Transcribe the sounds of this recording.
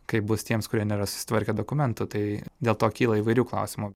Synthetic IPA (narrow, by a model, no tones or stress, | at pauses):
kɐɪp̚bʊst̪ʲiɛmskʊɾʲiɛnʲeːɾɐsʊ̥sʲɪ̥t̪ʋɐɾʲkʲɛd̪oːkʊmʲɛnt̪ʊt̪ɐɪd̪ʲeːlˠt̪oːkʲiːlˠɐiːʋɐɪɾʲuːklˠɐ̰ʊsʲɪmu